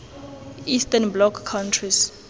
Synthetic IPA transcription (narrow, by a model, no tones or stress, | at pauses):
istɛnblɔkʰːantʰris